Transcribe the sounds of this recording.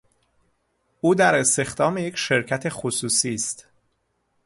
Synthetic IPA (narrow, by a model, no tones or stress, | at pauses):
uːd̪æɾe̞st̪e̞xd̪ɒːmeje̞cʃe̞ɾcʰæt̪ʰe̞xosuːsiːst̪